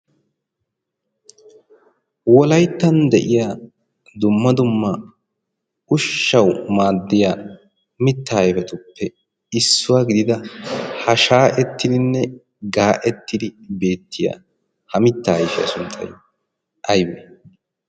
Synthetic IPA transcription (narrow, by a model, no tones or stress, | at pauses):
wɔlɐjt̪ːɐnd̪ɛʔɪjaː | d̪ʊmːɐd̪ʊmːɐ | ʊʃːɐwmaːd̪ːɪjaː | mɪt̪ːaːjɛfɛt̪ʊpʰːɛ | ɪsːʊwaːɡɪd̪ɪd̪ɐhɐʃaːʔɛt̪ːɪd̪ɪnːɛ | ɡaːʔɛt̪ːɪd̪ɪbe̞ːt̪ʰːɪja̰ | hɐmɪt̪ːaːɐjʃɪjɐ̰sʊnt͡sʼːɐ̰j | ʔɐjbeː